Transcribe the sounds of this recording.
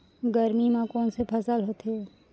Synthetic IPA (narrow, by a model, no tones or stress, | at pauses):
ɡəɾmimãkɔːnsepʰəsəlɦoːt̪eɛː